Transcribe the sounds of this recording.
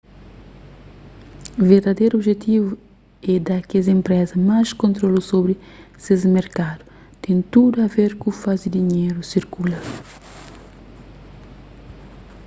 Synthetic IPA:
veɾd̪ɐd̪ejɾobʒet̪ivu | ɛd̪akezẽmpɾɛzɐmaskõnt̪ɾolusobɾi | sezmeɾkad̪u̥ | t̪ẽnt̪uduɐveɾkufazid̪iɲeɾusiɾkulɐ

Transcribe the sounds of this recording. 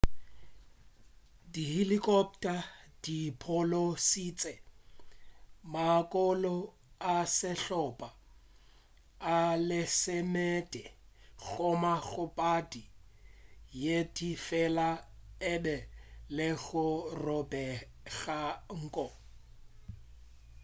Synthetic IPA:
dihilikʼɔp̚tʼad̥ipʰɔlosiːt͡sʼɛ | makʼɔlɔ | asɪɬɔpʼa | lɪsɪmɛtʼɛɣɔmaɣʊpʼadi | jedifɛlaɛbɛlɪɣʊrɔbɛ | ɣaŋ̩ːkʼɔ

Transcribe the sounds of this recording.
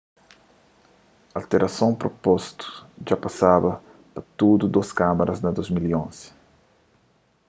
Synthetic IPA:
alt̪eɾʔasõw̃pɾopɔst̪ʊ̥ʒapasabɐ | pɐt̪ud̪ud̪oskamɐɾɐznɐd̪ozmiliõnz̥ɪ̥

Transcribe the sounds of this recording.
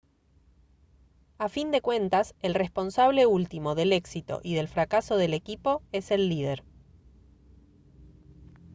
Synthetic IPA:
afind̪e̞kwe̞nt̪ase̞lrespo̞nsaβle̞ult̪imo̞ðe̞le̞ksit̪o̞̰ʔiðe̞lfɾakaso̞ð̞e̞le̞kipo̞e̞se̞lːið̞eɾ

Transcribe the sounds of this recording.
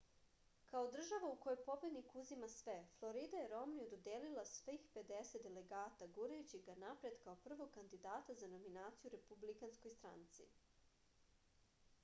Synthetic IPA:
kao̞d̪r̩ʒaʋaukojojpo̞bed̪nikuzimasʋe̞flˠo̞ɾid̪ajeɾo̞mniod̪od̪eːlilasʋixpe̞d̪eset̪̚d̪ele̞ɡaːt̪aɡuɾajut͡ɕiɡanapɾe̞d̪kaopr̩ʋoɡ̚kːand̪id̪aːt̪azano̞minaːt̪sijuɾe̞publikanskojst̪ɾa̰nt̪sḭ

